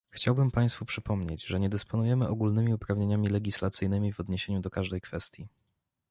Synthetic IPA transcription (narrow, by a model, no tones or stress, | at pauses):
xt͡ɕawbɘmpaj̃st̪fupʂɘpɔmɲed͡ʑʐɛɲɛd̪ɘspɔnujɛmɘʔɔɡulnɘmʲiupɾavɲeɲamʲilɛɡʲislat̪sɘjnɘmʲivɔd̪ɲeɕeɲud̪ɔkaʐd̪ɛjkfɛst̪ʲji